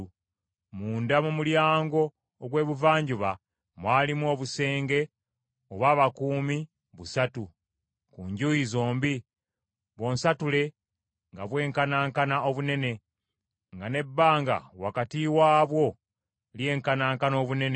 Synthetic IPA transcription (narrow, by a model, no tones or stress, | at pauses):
muːndamumuljaːŋɡo̞ː | ɡwe̞ːβuvaːɲɟuβa | mwaːlimwo̞ːβuse̞ːŋɡe̞ | oβaːβakuːmi | βusatu | kuɲɟujizo̞ːmbi | βo̞ːnsatule̞ | ŋɡaβwe̞ːŋkanaːŋkanaoβune̞ne̞ | ŋɡane̞bːaːŋɡa̰wa̰katiwaːβwo̞ | lje̞ːŋkanaːŋkano̞ːβune̞n